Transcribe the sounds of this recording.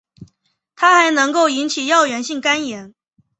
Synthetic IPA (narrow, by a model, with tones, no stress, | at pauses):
t̪ʰa˥xa˧˥ɪnɤ˧˥ŋko˥˩ʊi˧˥nt͡ɕʰi˨˩jɑ˥˩ʊɥɛ˧˥nɕi˥˩ŋka˥njɛ˧˥n